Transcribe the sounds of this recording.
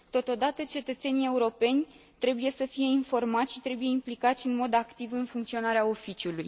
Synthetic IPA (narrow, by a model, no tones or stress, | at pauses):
t̪o̞t̪o̞d̪at̪ət͡ʃe̞t̪ət̪se̞nie̞uɾo̞pe̞nʲ | t̪ɾe̞buje̞səfije̞info̞rmat̪sʃit̪ɾe̞buje̞implikat̪sʲɨnmo̞d̪akt̪ivɨnfuŋkt̪sio̞naɾeao̞fit͡ʃiuluj